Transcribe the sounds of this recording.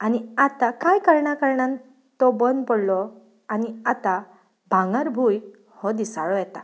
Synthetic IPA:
aniat̪akajkəɾɳakəɾɳan | t̪ɔbənpɔɽlɔ | aniat̪a | bʱãŋəɾbʱuj | hɔd̪isaɭɔɛt̪a

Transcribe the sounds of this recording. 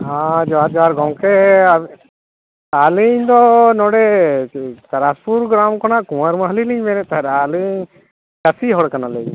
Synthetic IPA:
ad͡ʒɔaɾd͡ʒɔaɾɡɔmkɛa | aliɲd̪ɔnɔɽɛ | t̪aɾaspuɾɡɾamkɔnaʔkũwaɾməɦəliliɲmɛɾɛt̪aɦɾaliɲ | kəsiɦɔɽkanaled͡ʒ

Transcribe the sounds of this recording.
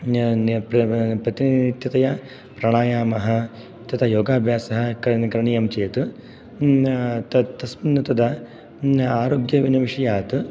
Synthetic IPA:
pɾɐpɾɐt̪init̪jɐt̪ɐjɐ | pɾɐɳ̃aːjaːmɐɦɐ̆ | t̪ɐt̪ʰɐjoːɡaːbʱjaːsɐɦɐ̆kkɾɐɳijɐmt͡ʃeːt̪u | t̪ɐt̪ɐsmɐnːɐt̪ɐd̪ɐ | aːɾoːɡjɐʋinɐʋiʂɐjaːt̪u

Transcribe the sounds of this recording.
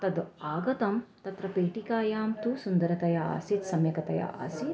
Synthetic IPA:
t̪ɐd̪aːɡɐt̪ɐmt̪ɐt̪ɾɐpeːʈikaːjaːmt̪usund̪ɐɾɐt̪ɐjaa̰sit̪sɐmjɐkɐt̪ɐja̰ʔɐ̰si

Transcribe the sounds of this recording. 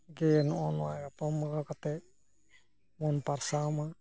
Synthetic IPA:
ɡɛnɔɔnwaɡat̪ɔmakakat̪ɛ | mɔnpaɾsawma

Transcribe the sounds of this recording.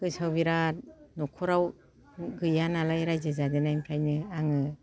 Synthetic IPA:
kɯsawbiɾanɔkʰɔɾaw | ɡɯjanalajɾajzɯzadenajmkʰajnɯaŋɯ

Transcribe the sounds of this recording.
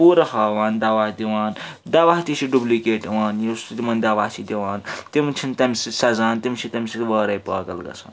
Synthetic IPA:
puːɾɐhaːʋaːnd̪ɐʋaːhd̪iʋaːn | d̪ɐʋaːɦt̪it͡ʃʰiɖublikeːʈiʋaːnjist̪ut̪imɐnd̪ɐʋaːht͡ʃʰid̪ʲiʋaːnt̪imt͡ʃʰint̪ɐmʲsisɐzaːnt̪imt͡ʃʰit̪ɐmʲsit̪ʋəːɾɐjpɐːɡɐlɡɐ̰sʰa̰ːn

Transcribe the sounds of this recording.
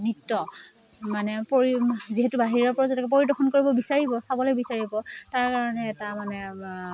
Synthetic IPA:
nitːɔ | manɛpoɹiziɦetubaɦiɹɔɹpɔɹazɛtʰɛkɛpoɹidɔxʰɔnkoɹibɔbisaɹibɔsabɔlɔjbisaɹibɔtaɹkaɹɔnɛːtamanɛ

